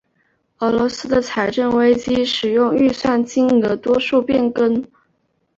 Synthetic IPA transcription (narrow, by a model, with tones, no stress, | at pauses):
ɤ˧˥lwɔ˧˥sɹ̩˥d̪ə˨t͡sʰa˧˩ɪʈ͡ʂə˥˩nwe˥ɪt͡ɕi˥ʂɻ̩˨˩jʊ˥˧ŋy˥˧swa˥˩nt͡ɕi˥ŋɤ˧˥t̪wɔ˥ʂu˥˧pjɛ˥˩nkə˥n